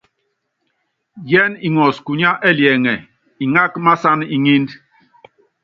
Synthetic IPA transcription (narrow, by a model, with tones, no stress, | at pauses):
jɛ˦ni˨ŋɔ˨sku˨ɲa˦ʔɛ˦ljɛ˨ŋɛ˨ | i˨ŋa˦kma˦sa˦ni˨ŋi˦nd